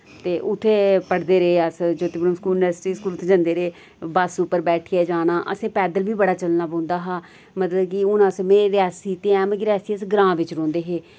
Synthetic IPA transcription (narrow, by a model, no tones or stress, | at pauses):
t̪eːʔʊt̪ʰːeːpəɽd̪eːɾəeːəsd͡ʒoːt̪ɪbnəmskuːnʋəɾsʈiːskuːlʊt̪ʰːeːd͡ʒə̃nd̪eːɾeː | baːsʊpːəɾbɛːʈʰiɛːd͡ʒaːnaːʔə̰sẽːpɛːd̪əlʋiːbəɽaːt͡ʃəlnaːpõːnd̪aːɦaː | mət̪ləbkɪʊnãːsmeːɾeɾaːsiːt̪eɛ̃ːmkɾjaːsiːəsɡɾãːʋɪt͡ʃɾõːnd̪eːɦeː